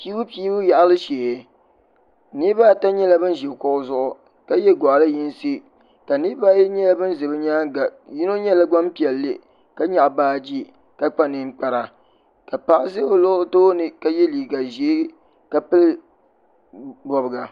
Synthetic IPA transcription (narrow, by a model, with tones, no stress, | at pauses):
pi˦bu˦piː˦bʊ˦ja˨ʔa˦lɨ˦ʃeː˨˦ | ni˦baː˦ta˦ɲɛ˦la˦bɨ˦n˦ʒɛ˨kʊ˦ʔʊ˦zʊ˦ʔʊ˨ | ka˦jɛ˦ɡɔ˨ʔla˦ji˦n˦si˦ | ka˨ni˦ba˦jɛ˦ɲɛ˦la˦bɨ˦n˦zɨ˨bɨ˦ɲaː˦a˨ji˦no˦ɲɛ˦la˦ɡ͡ba˦mpi˨ɛ˨lːɨ˦ | ka˦ɲa˨ʔbaː˦d͡ʒi˦ | ka˦k͡pa˦nɨ˨n˦k͡pa˨ɾa˨ | ka˨pa˦ʔɪ˦zɪ˦o˨lo˦toː˦nɨ˨ka˦jɛ˦liː˨ɡa˨ʒeː˨˦ | ka˨pɨ˦l | bɔ˨bɨ˨ɡa˨